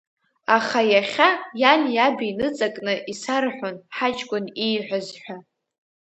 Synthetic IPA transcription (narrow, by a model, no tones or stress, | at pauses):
aχajaχʲajanjabiinɨt͡sʼakʼnɨʔisarħʷᶣonħat͡ʃʼkʷʼʊnijħʷᶣazħʷᶣa